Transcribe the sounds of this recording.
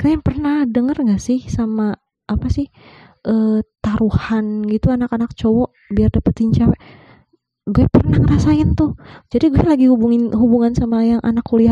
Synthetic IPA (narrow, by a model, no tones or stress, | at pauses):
kajaŋpərnahdəŋərŋɡaʔsɪhsamaː | pasɪh | ʔət̪aɾuhanɡit̪uanakanak̚t͡ʃowɔ | biardapət̪iɲt͡ʃawɛ | ɡuɛpərnakəɾasaɪnt̪ʊhd͡ʒadiɡuɛlaɡihubuŋɪnɦubuŋansamajaŋʔa̰nakulia